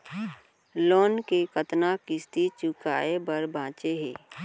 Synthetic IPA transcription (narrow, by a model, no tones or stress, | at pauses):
lɔːnkekət̪nakɪst̪it͡ʃʊka̰ːebəɾbãːt͡ʃeɦɛ̰ː